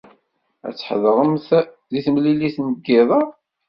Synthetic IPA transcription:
æ̰t͡sːħðˤəʁəmθ | ðiθmliliθnəɡːɪðˤɑ

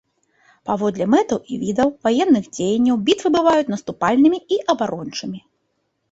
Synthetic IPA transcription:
pavɔd̪lʲɛmɛt̪ɐwivʲid̪ɐwvajɛnːɨɣd͡zʲejɐnʲːɐwbʲit̪vɨbɨvajut͡sʲnɐst̪upalʲnɨmʲiiʔɐbaɾɔnt͡ʂɨmʲi

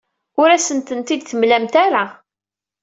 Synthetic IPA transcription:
ʊɾæsənt̪ənt̪id̪θəmlæmt̪aɾa

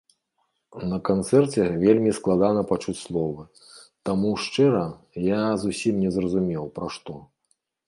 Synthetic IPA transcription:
nɐkant̪sɛrt͡sʲɛvʲelʲmʲisklˠad̪anɐpat͡ʂut͡sʲslˠɔvɨ | t̪amuʂt͡ʂɛɾɐ | jazusʲimnʲɛzrɐzumʲɛwpɾaʂt̪ɔ

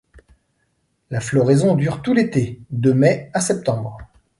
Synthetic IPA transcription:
laflɔʁɛzɔ̃d̪yʁt̪ulet̪ed̪əmɛasɛp̚t̪ɑ̃bʁ

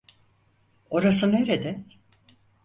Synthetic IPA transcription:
o̞ɾasɯneɾed̪ɛ

